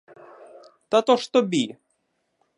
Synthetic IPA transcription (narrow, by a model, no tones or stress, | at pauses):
t̪at̪ɔʃt̪ɔbʲi